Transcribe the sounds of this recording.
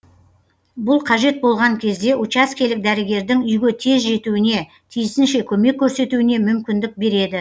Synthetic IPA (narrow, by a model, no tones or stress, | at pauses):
bʊlˠqʰɑʒe̞t̪̚bo̞lˠʁɑŋkʲʰe̞zd̪e̞ʔut͡ʃaskʲe̞lɪk̚d̪æɾɪɡʲe̞ɾd̪ɪŋʏjɡʲet̪ʰe̞zʒe̞t̪uwɪne̞ | t̪ʰijɪsɪnʃe̞kʲʰɵme̞kʲʰːɵɾse̞t̪uwɪne̞mʏmkʲɪnd̪ɪk̚be̞ɾe̞d̪ɪ